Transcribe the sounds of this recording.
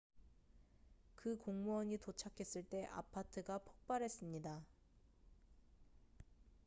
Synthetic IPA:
kɯkoŋmuʌɲitot͡ɕʰakʰe̞s͈ɯɭt͈e̞ʔa̰pʰatʰɯɡapʰok̚p͈aɾɦe̞s͈ɯmɲida

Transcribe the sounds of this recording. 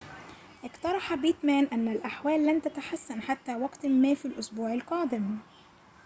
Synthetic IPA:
ʔɪkt̪ɑɾˤɑħɑbiːt̪mæːnʔanːalʔaħwæːlːant̪at̪aħasːanħat̪ːæːwɑɡt̪mːæːfilʔʊsbuːʕɪlqɑːd̪ɪm

